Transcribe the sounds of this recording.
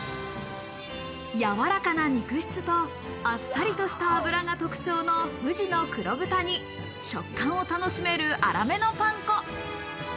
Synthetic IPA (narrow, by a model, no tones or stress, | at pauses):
jaβaɾakanaɲ̟ikɯ̟ɕi̥t͡sɨt̪o̞ | asːaɾʲit̪o̞ɕi̥t̪aːbɯ̟ɾaŋat̪o̞kɯ̟̥t͡ɕo̞ːno̞hɯ̟ʑino̞kɯ̟ɾo̞bɯ̟t̪aɲ̟i | ɕo̞kːãɰ̃o̞t̪ano̞ɕime̞ɾɯ̟ʔa̰ɾa̰me̞no̞pãŋko